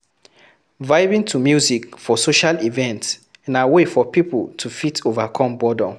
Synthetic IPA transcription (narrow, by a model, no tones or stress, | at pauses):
vaɪvĩŋtʰumjuzikfɔsoʃalivɛ̃nts | ɛ̃nawefɔpipultʰufitʰovakʰɔ̃mbɔdɔ̃